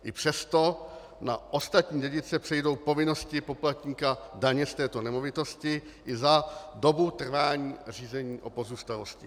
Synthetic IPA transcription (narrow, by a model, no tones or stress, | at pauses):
ʔɪpr̝̥ɛst̪o̞ | na̰ʔo̞st̪at̪ɲiːɟɛɟɪt͡sɛpr̝̥ɛjdo̞wpo̞vɪno̞scɪpo̞plat̪ɲiːkadaɲɛst̪ɛːt̪o̞nɛmo̞vɪt̪o̞scɪ | ʔɪzado̞but̪r̩vaːɲiːr̝iːzɛɲiːʔo̞po̞zuːst̪alo̞scɪ̰